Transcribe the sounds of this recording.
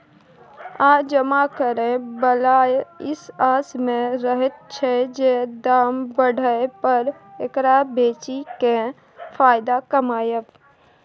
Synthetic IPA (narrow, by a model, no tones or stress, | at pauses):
aːd͡ʒəmakəɾẽbəlaːjɪsaːsmẽɾəɦət̪̚t͡ʃʰɛd͡ʒed̪aːmbəɽ̤ʱəepəɾekɾabeːt͡ʃikẽ | pʰaːjd̪akəmaːjəp